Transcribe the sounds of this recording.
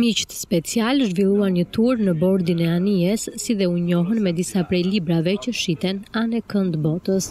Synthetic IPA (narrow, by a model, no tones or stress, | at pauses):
mit͡ʃt̪spɛt͡sialʒvilˠuanɲət̪uɾnəbɔɾd̪inɛaniɛsːiðɛuɲɔɦənmɛd̪isapɾɛjlibɾavɛcəʃit̪ɛnanɛkənd̪bɔt̪əs